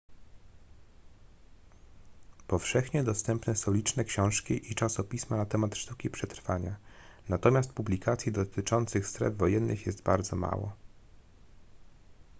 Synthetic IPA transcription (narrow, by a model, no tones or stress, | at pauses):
pɔfʂɛxɲɛd̪ɔst̪ɛmpnɛsɔ̃lʲit͡ʂnɛkɕɔ̃w̃ʂkʲiʔit͡ʂasɔpʲismanat̪ɛmat̪ʂt̪ukʲipʂɛt̪ɾfaɲa | nat̪ɔmʲast̪̚publʲikat̪sʲjid̪ɔt̪ɘt͡ʂɔnt̪sɘxst̪ɾɛ̰vvɔjɛnːɘxjɛst̪baɾd̪zɔma̰wɔ̰